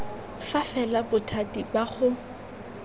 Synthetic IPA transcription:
fafɛlabʊtʰatibaχʊ

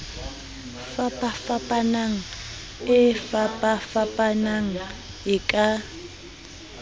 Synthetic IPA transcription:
fapʼafapʼanaŋ̩ | ɪfapʼafapʼanaŋ̩ | ɪkʼa

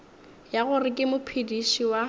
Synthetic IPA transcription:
jaɣʊrɪkʼɪmʊpʰidiʃiwa

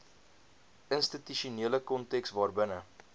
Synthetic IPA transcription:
ənstityʃuniələkɔntɛksvɑːrbənə

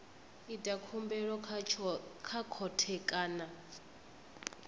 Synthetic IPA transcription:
itʼakʰumbɛɺɔ | kʰakʰɔtʰɛkʼaːna

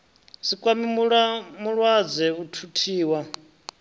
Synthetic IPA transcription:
sikʼwamimɺmuɺwad͡zɛutʰutʰiːwa

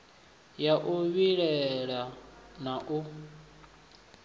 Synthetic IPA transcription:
jaʔuβiɺɛɺanaʔu

